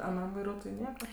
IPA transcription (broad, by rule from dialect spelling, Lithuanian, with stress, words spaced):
ɐˈnɐm ʋɐɪˈruɔtoːjʊɪ ˈnʲiɛkɐ